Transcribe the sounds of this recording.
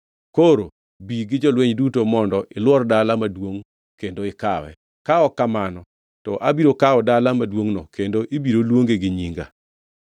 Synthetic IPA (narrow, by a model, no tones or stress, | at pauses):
koɾo | biɡɪd͡ʒɔlweɲdutomɔndɔʔɪlwɔrdalamadwoŋ | kendoɪkawɛ̰ | kaɔkamanɔ | tɔʔabiɾokaɔdalamadwoŋnɔkendoʔibiɾolwoŋɡeɡɪɲiŋɡa̰